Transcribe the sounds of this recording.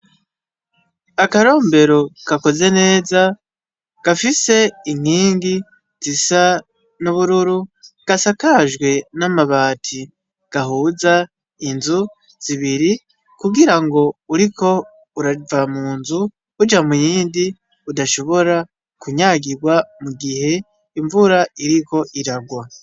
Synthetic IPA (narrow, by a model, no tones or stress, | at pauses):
akaɾo̞ːmbe̞ɾo̞kako̞ze̞ne̞ːza | ɡ̥afise̞iŋ̥iːŋɡi | z̥isa | nuβuɾuɾuɡ̥asakaʒɡwe̞namaβaːtʰi | ɡ̥aɦuːza | inzu | z̥iβiɾi | kuɡiɾaŋɡo̞uɾikʰo̞ | uɾavamuːnzu | ud͡ʒamujiːndi | udaʃo̞βo̞ɾa | kuɲaːɡiɡwamuɡihe̞ | iɱvuɾaiɾiko̞ʔiɾaɡwa